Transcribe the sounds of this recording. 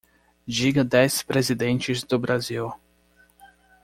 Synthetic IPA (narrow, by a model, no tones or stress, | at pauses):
d͡ʒiɡɐd̪ɛspɾezid̪ẽnt͡ʃɪzd̪ʊbɾaziw